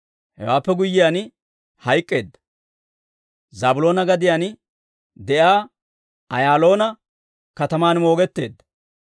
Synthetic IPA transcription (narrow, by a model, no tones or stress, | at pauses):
hɛ̰waːpːɛɡʊjːɪjaːn | hɐjkʼːeːd̪ːɐ | zɐːbʊlo̞ːnɐɡɐd̪ɪjaːn | d̪ɛʔjaː | ɐjaːlo̞ːnɐ | kɐt̪ɐmaːnmo̞ːɡɛt̪ːe̞̰ːd̪ːɐ